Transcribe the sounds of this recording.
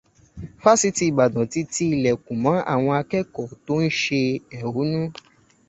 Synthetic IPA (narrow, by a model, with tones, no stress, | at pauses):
fa˦si˧˦ti˧i˨ba˨dã˨ti˧˦ti˧˦i˨lɛ˨kũ˨mã˨˦ʔa̰˦˨w̃ɔ̃˧a˧kɛ˦kɔ˨to˦n̩˦ʃe˧ɛ˨wo˨˦nũ˦